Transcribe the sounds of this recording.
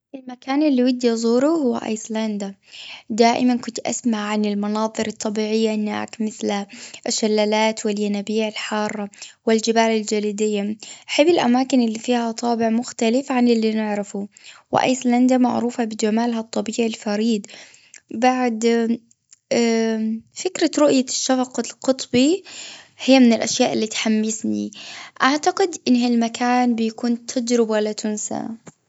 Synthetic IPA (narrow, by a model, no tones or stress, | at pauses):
ʔɪlmakaːnɪlːiwɪd̪ːijzˤuːɾuhʊwːa̰ʔa̰jsland̪ad̪aːʔɪmankʊnt̪ʔa̰smaʕʕanɪlmɑnɑːðˤɨɾɑt̪ˤːɑbiːʕɪjːanːa̰ːkmɪθlaʔɪʃːalːaːlaːt̪wɪljanabiːʕɪlħɑːrˤːɑwɪld͡ʒɪbaːlɪld͡ʒaliːd̪ɪjːaʔaħɪbːɪlʔa̰maːkɪnɪlːifiːhat̪ˤɑːbɪʕmʊxt̪alɪfʕanɪlːinɪʕɾɪfuwɪ̰ʔa̰jsland̪amaʕɾuːfabɪd͡ʒamaːlɦat̪ˤːɑbiːʕilfaɾiːd̪ | baʕd̪ | fɪkɾaɾʊʔjaʃːafɑqɑlqʊt̪ˤbi | hɪjːamɪnɪlʔaʃjaːʔɪlːiːt̪ħamːɪsnḭʔaʕt̪aɡɪd̪ʔɪnːalmakʰaːnbɪjakuːnt̪ʰad͡ʒɾɪbalat̪ʰʊnsa̰